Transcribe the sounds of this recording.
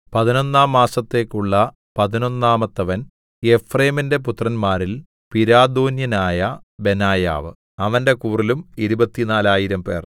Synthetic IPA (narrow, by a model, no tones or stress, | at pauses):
pɐðino̞nːaːmːaːsɐt̪ːe̞ːkːuɭːɐ | pɐðino̞nːaːmɐt̪ːɐʋɐn | e̞freːminde̞p̬ut̪rɐnmaːɾil | piɾaːd̪oːnjɐnaːjɐbe̞naːja̰ːʋɨ | ɐʋɐnde̞kuːrilumiɾubɐt̪ːinaːlaːjiɾɐmpe̞̰ːr